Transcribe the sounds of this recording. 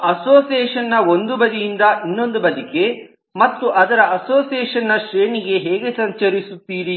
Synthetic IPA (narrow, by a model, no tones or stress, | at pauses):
ɐsoːsiɛːʂɐnːɐo̞nd̪ubɐd̪ijind̪ɐʔinːo̞nd̪ubɐd̪ike̞ | mɐt̪ːuʔɐd̪ɐɾɐʔɐsoːsijɛːʂɐnːɐʃɾeːɳiɡe̞ɦeːɡe̞sɐɲt͡ʃɐɾisut̪ːiːɾi